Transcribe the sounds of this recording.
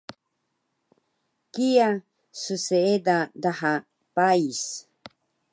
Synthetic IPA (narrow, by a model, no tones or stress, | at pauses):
kija | suseedadaha | pais